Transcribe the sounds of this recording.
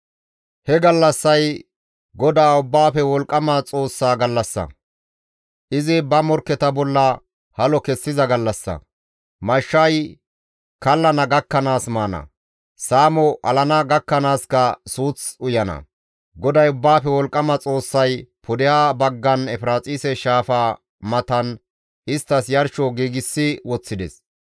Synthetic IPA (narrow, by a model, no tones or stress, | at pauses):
hɛɡɐlːɐsːɐj | ɡɔd̪aːʊbːaːfɛwɔlkʼːɐmɐt͡sʼo̞ːsːaːɡɐlːɐsːɐ̰ | ʔɪzɪbɐmɔɾkːɛt̪ɐbɔlːɐ | hɐlɔkɛsːɪzɐɡɐlːɐsːɐ̰ | mɐʃːɐj | kɐlːɐnɐɡɐkːɐnaːsmaːnɐ̰ | saːmɔʔɐlɐnɐɡɐkːɐnaːskɐsuːt͡sʊjɐnɐ̰ | ɡɔd̪ɐjʊbːaːfɛwɔlkʼːɐmɐt͡sʼo̞ːsːɐjpʰʊd̪ɛjaːbɐɡːɐnɛfɪɾaːt͡sʼiːsɛʃaːfaː | mɐt̪ɐn | ʔɪst̪ːɐsjɐɾʃɔɡiːɡɪsːɪwɔt͡sːɪd̪ɛ̰s